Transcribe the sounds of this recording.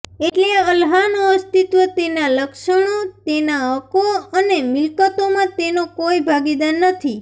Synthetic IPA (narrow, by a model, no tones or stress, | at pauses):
eʈleəlɦanoəst̪it̪ʋət̪enaləkʃəɳ̃ot̪enaəkoənemɪlkət̪omãt̪enokoibʱaɡid̪anːət̪ʰi